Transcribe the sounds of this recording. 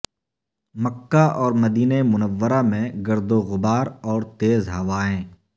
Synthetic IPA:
məkːaʔɔːɾmɐd̪iːnemʊnəʋːəɾamẽɡɐɾd̪oɣʊbaːɾɔːɾt̪eːzɦɐʋaːẽː

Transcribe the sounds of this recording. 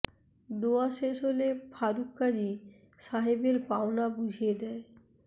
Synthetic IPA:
d̪oaʃeʃolepʰaɾukːad͡ʑi | ʃaɦebeɾpaonabud͡ʑʱijed̪ɛe

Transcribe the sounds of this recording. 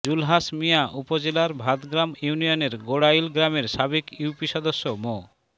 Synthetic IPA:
d͡ʑulɦaʃmijaʔupod͡ʑelaɾbʱad̪ɡɾamjunijoneɾɡoɽajlɡɾameɾʃabekjuwpiʃɔd̪oʃːomo

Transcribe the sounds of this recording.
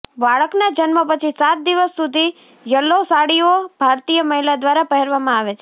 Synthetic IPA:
baɭəknad͡ʒənməpət͡ʃʰisat̪̚d̪iʋəsːud̪ʱi | jəlːosaɽiobʱaɾt̪ijəməɦilad̪ʋaɾapəɦɛɾʋamãaʋet͡ʃʰe

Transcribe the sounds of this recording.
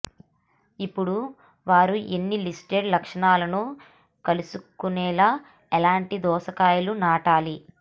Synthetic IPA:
ipːuɽu | ʋaːɾuʔenːilisʈeɾlɐkʂɐɳaːlɐnu | kɐlusukunɛːlaː | ɛlaːɳʈid̪ɔːsɐkaːjɐlunaːʈaːli

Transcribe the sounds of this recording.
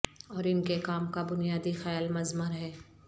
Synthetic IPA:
ɔːɾɪnkekaːmkabʊnijaːd̪ixɛjalmɐzməɾɦɛː

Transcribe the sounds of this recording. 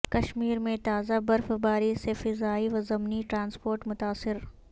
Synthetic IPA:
kɐʃmiːɾmẽt̪aːzabɐɾfbaːɾisefɪzaːiʋɐzɐmniʈɾãːnspoːɾʈmʊt̪aːsɪɾ

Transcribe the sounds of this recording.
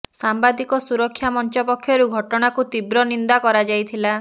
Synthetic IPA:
sambad̪ikɔsuɾɔkʰːjamɔnt͡ʃɔpɔkʰːjɔɾuɡʱɔʈɔɽ̃akut̪ibɾɔnind̪akɔɾad͡ʒajt̪ʰila

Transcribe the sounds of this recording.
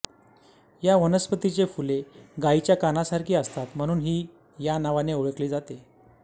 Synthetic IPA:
jaʋənəspət̪it͡ɕefuleɡait͡ɕjakanasaɾkʰiːəst̪at̪m̤əɽ̃uːnɦiː | janaʋaneoɭəkliːd͡zat̪e

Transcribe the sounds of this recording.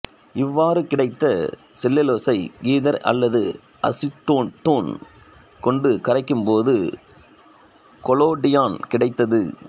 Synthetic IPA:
ɪʋːaːɾɯkɪɽɐɪt̪ːɐsɪlːɪloːsɐɪɡiːðɐɾʔɐ̰lːɐðɯ | ɐ̰sɪʈːʈːoːn | kɔɳɖɯkɐɾɐɪkːɯmpoːðɯ | kɔloːɖɪjaːnkɪɽɐɪt̪ːɐðɯ

